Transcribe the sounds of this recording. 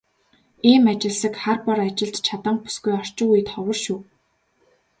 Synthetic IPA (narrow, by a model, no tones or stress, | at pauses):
iːmat͡ɕɪ̆ɮsə̆kχarpɔɾat͡ɕɪ̆ɮt̪t͡ɕʰat̪ə̆ɴpu̥sɡujɔr̥t͡ɕɪ̆ŋɣuj̆t̪χɔwə̆rʃuː